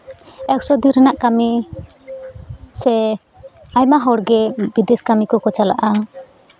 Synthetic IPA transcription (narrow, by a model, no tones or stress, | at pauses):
ɛksɔd̪iɾənaʔkami | sɛ | ajmaɦɔɽɡɛbid̪ɛskamikɔkɔt͡ʃala̰ʔa